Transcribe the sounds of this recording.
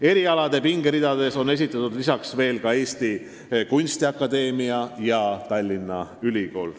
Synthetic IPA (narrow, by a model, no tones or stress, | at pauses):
e̞ɾiɑlɑd̪̥e̞piŋɡeɾid̪̥ɑd̪e̞so̞nːe̞s̬it̪ːˑɑt̪ːud̪lisɑksve̞ːlkɑe̞ːst̪i | kunʲst̪iɑkːˑɑd̪e̞ːmiɑjɑt̪ɑlʲːinːɑylʲiko̞̰ːl